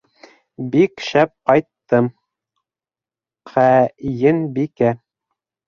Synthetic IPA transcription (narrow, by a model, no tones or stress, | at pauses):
bikʃæp̚qɑjt̪ːɤm | qʰæjɘnbikæ